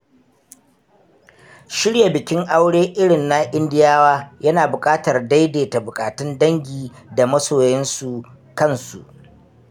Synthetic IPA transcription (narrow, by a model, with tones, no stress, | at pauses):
ʃɪ˦ɽja˨bɪ˨kʲɪ˦ŋʔa˦wɽeː˦ʔɪ˦ɽɪ˨nːa˦ʔɪ˦ndɪ˦jaː˦waː˦jɐ˦naː˨bʊ˨kʼaː˦tɐ˨rda˦jdeː˨ta˨bʊ˨kʼaː˨tɪ˦ndɐ˦ŋɡʲiː˨da˨mɐ˦soː˨jɛ˦nsu˨ | kɐ˦nsṵ˨ʔ